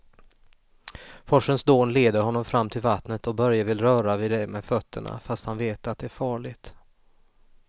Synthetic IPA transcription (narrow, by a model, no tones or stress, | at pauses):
fɔʂənsd̪oːnleːd̪əɾhɔnːɔmfɾamːt̪ʰɪlvat̪nət̪ɔbœɾjavɪlɾœːɾavɪːd̪ɛmɛːd̪fœt̪ʰːə̰ɳa̰fast̪hanveːt̪at̪̚d̪ɛæɾfɑːɭɪt̪